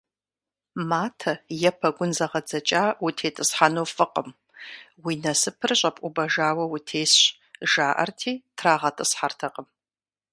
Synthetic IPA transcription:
maːtʰɐjɛpʰɐɡʷʊnzɐʁɐd͡zɐt͡ʃʼaːwʊtʰeːtʼɨsħanowfɨqʼəm | winɐsɨpʰɨrɕʷʼɐpʼubɐʒaːwɐwutʰeːsɕ | ʒaːʔɐ̰rtʰiːtʰraːʁɐtʼɨsħartʰɐqʼəm

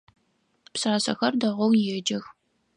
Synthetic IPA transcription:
psaːsɐ̰xɐrdɐʁʷɐwjɛːd͡ʒɐx

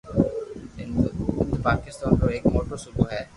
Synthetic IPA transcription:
eepakist̪ankoekmoʈoʃubʱoɦɛ

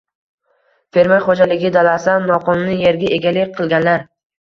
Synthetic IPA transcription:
fe̞ɾmajχod͡ʒalɪɡʲɪd̪alasanːɒqʰɒnnɪje̞ɾɡʲaʔe̞ɡʲalɪk̚ʲqʰɨlˠɡʲanlaɾ

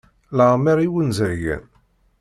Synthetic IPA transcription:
ləʁmiɾiwənzəɾʝæ̰n

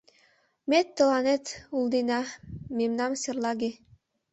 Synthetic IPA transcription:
met̪ːɤ̆lˠɑnet̪ulˠd̪inɑmemnɑmsʲerlˠɑɡe

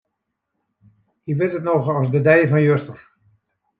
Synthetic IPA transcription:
iʋɪtətnɔxɑsdədɛjvɑnjøstər

